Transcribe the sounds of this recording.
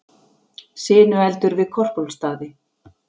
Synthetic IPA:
sɪːnʏɛlt̪ʏɾvɪðkʰɔr̥powlst̪aːðɪ

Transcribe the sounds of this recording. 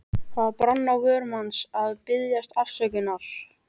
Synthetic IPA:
θaðpɾanːaɣœːɾmansaðpɪðjast̪al̥sɛcɪnaɾ̥

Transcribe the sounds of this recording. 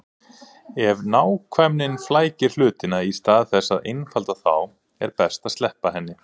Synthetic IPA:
ɛvnaːwkʰvɛmnɪnflaːjcɪɾ̥l̥ʏːt̪ɪnaist̪aːðθɛsːaðḛjnfalt̪aθa̰w | ɛ̰ɾpɛst̪ast̪lɛhpaɦɛnːɪ

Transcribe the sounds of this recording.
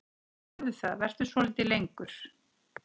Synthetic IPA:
ɛðɪθa̰ðvɛr̥t̪ʏ̥svɔlɪːt̪ɪlejŋkʏɾ̥

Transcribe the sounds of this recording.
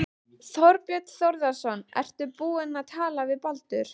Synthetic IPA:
θɔɾpjœt̪θɔwɾðasɔnːʔɛ̰r̥t̪ʏpuːɪnaðt̪ʰaːlavɪðpalt̪ʏɾ̥

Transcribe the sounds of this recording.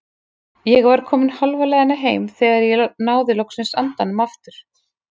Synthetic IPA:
jɛɣvaɾ̥kʰɔːmɪnhɔlvalɛðanːaɦeːjmθɛːɣaɾjɛnaːwðɪlowksɪnsant̪anʏmaft̪ʏɾ̥

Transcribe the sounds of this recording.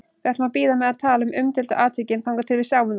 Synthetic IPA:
vɛt̪mapiːðamɛðaðt̪ʰaːlʏmʔʏmt̪ɪlt̪ʏ̰ʔaːt̪ʰicɪnfawŋkat̪ʰɪlvɪðsjaːwʏn

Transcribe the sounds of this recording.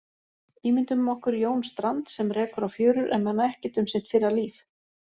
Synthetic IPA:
iːmɪnt̪ʏmːɔhkʏɾjoːwnst̪ɾant̪sɛmrɛːkʏɾawfjœːɥɾʏɾʔɛmmanːaɛhcɪt̪ʏmsɪn̥t̪fɪɾaliːf

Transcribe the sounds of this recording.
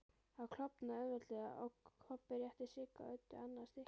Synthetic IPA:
aðkʰl̥ɔpnaœvɛɾt̪lɛːɣa̰ʔɔɣʰɔpːɪɾjɛht̪ɪsɪːka̰œɥt̪ːʏanːast̪ɪh

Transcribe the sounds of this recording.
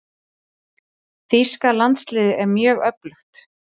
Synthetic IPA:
θiskalant̪slɪːðɪʔɛɾmjœːɣœplʏxt̪

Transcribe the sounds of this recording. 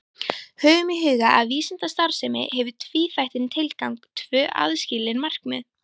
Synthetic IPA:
hœːɣʏmɪɦʏːɣaʔaðviːsɪnt̪ast̪aɾ̥sɛmɪ̰hɛvʏt̪ʰviːfajht̪ɪnt̪ʰɪlkawŋkt̪ʰvœːʔa̰ðscɪːlɪnmar̥kmʏ̰ð

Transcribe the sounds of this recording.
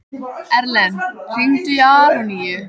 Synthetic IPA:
ɛɾlɛnr̥iŋt̪ʏjaːɾɔniːjʏ

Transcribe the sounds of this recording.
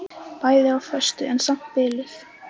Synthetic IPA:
paːjðɪawfœ̥st̪ʏʔɛnsam̥t̪̚pɪːlɪθ

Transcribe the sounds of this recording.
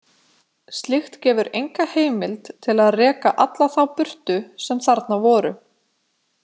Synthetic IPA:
st̪lɪxt̪cɛːvʏɾʔejŋkaheːjmɪlt̪t̪ʰɪlaðrɛːkaʔat̪laθawpʏr̥t̪ʏsɛmθaɾt̪navɔːɾʏ̰

